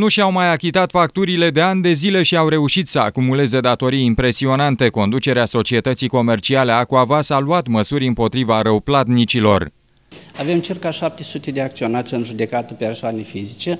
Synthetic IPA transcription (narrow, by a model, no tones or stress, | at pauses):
nuʃiawmajakʲit̪at̪fak̚t̪uɾile̞d̪e̞anʲd̪e̞zile̞ʃiawɾe̞uʃit̪səa̰kumule̞ze̞d̪at̪o̞ɾijimpɾe̞sio̞nant̪e̞ko̞nd̪ut͡ʃe̞ɾeaso̞t͡ʃie̞t̪ət̪siko̞me̞rt͡ʃiale̞akuavasaluat̪məsuɾʲɨmpo̞t̪ɾivaɾəwplat̪nit͡ʃilo̞̰r | ave̞mt͡ʃirkaʃap̚t̪esut̪e̞d̪eak̚t̪sio̞nat̪sʲɨnʒud̪e̞kat̪əpe̞rsoanefizit͡ʃe̞